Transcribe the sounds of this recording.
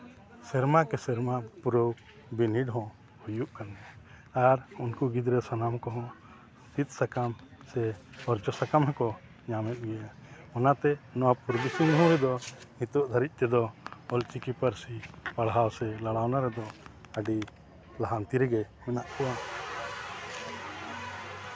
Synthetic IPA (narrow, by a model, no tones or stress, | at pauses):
sɛɾmakɛsɛɾmapuɾow | biniɖɦɔ̃ | hujuʔkanɛ | aɾunkuɡid̪ɾɛsanamkɔɦɔ̃ | sit̪̚sakamsɛɔɾd͡ʒɔsakamɦɛkɔ | ɲamɛt̪̚ɡɛja | ɔnat̪ɛnɔwapuɾbisiŋɦɔ̃ɾɛd̪ɔhĩt̪ɔʔd̪ʱaɾit̪̚ˀt̪ɛd̪ɔɔlt͡ʃikipəɾsipaɽɦawsɛlaɽawnaɾɛd̪ɔ | əɖi | laɦant̪iɾɛɡɛhɛnaʔkɔwa